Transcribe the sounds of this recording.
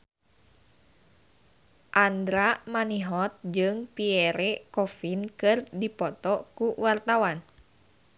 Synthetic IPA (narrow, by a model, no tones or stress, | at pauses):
ʔand̪ɾamaniɦɔt̪̚d͡ʒɨŋpiɛɾɛkɔfinkɨrdipɔt̪ɔkuwart̪awan